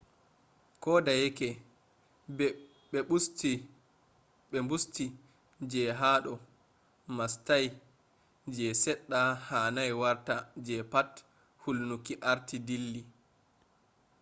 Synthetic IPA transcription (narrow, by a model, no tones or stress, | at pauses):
kɔdajɛkɛ | ɓɛɓusti | ɓɛmbusti | d͡ʒɛɦaːɗɔ | mastaj | d͡ʒɛsɛɗːahaːnajwaɾtad͡ʒɛpat | hulnukiʔaɾtidilːi